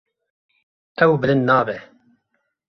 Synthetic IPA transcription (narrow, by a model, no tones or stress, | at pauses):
ɛwbɨlɨnd̪naːbɛ